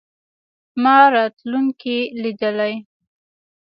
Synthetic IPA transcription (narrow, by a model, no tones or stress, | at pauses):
mɑɾɑt̪luŋkilid̪əlaj